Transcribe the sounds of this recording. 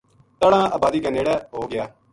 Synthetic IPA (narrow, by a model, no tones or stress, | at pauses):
t̪əɽãːaːbaːd̪iːkãneːɽɛːɦoːɡɪjaː